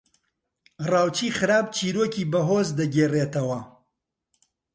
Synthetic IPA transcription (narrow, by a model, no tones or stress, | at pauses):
raːwt͡ʃiːxɨɾaːb̚t͡ʃʰiːɾoːkiːbɐɦoːzd̪ɐɡeːreːt̪ɐwɐ